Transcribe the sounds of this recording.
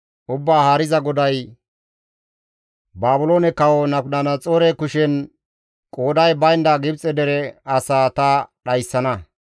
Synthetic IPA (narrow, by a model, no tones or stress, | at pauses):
ʔʊbːaːhaːɾɪzɐɡɔd̪ɐj | baːbʊlo̞ːnɛkɐwɔnɐnɐnɐt͡sʼoːɾɛkʊʃɛn | kʼoːd̪ɐjbɐjnd̪aɡɪbt͡sʼɛd̪ɛɾɛɐsaːt̪ɐɗɐjsːɐnɐ